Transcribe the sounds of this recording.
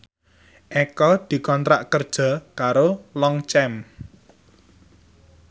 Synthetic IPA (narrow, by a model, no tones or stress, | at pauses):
ʔekɔd̪̥i̤kɔnt̪ɾaʔkərd̥ʒ̥ɔ̤kaɾolɔŋt͡ʃɛm